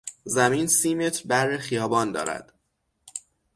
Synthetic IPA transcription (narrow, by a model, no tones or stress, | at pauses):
zæmiːnsiːmet̪ʰbæɾːexijɒːbɒːnd̪ɒ̰ːɾæ̰d̪̥